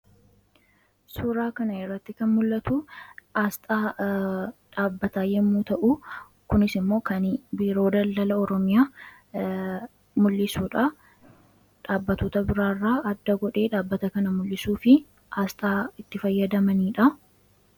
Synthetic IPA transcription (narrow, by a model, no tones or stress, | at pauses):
suɾaːkɐnɐɪrːɐt̪ːɪkɐnmʊlːɐt̪uaːst̪ʼaː | ᶑaːbːɐt̪aːjɛmːuːt̪ɐʔu | kʊnɪsɪmːo̞ːkɐnbiːɾo̞ːd̪ɐld̪ɐlɐɔɾɔmɪjaː | mʊlːɪsuːᶑɐ | ᶑaːbːɐt̪oːt̪ɐbɪɾaːrːaːɐd̪ːɐɡɔᶑe̞ːᶑaːbːɐt̪ɐkɐnɐmʊlːɪsuːfɪ | ʔaːst̪ʼaːɪt̪ːɪfɐjːɐd̪ɐmɐniːᶑɐ